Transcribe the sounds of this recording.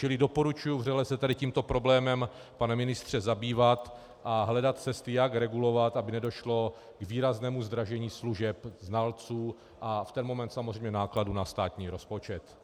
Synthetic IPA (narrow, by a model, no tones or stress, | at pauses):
t͡ʃɪlɪdo̞po̞ɾut͡ʃujuvrɛlɛsɛt̪adɪciːmt̪o̞pɾo̞blɛːmɛm | panɛmɪnɪst̪r̝̥ɛzabiːvat̪ | ʔaɦlɛdat̪̚t͡sɛst̪ɪjakɾɛɡulo̞vat̪abɪnɛdo̞ʃlo | ɡviːɾaznɛːmuzd̪ɾaʒɛɲiːsluʒɛpznalt͡suː | ʔaft̪ɛnmo̞mɛnt̪samozrɛjmɲɛnaːkladunast̪aːt̪ɲiːɾo̞spo̞t͡ʃɛt̪